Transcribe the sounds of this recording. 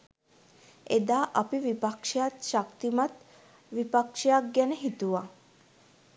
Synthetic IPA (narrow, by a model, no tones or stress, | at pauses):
ed̪aːʔapiʋipakʂejat̪ʃakt̪imat̪ | ʋipakʂejak̚ɡænəɦit̪uʋa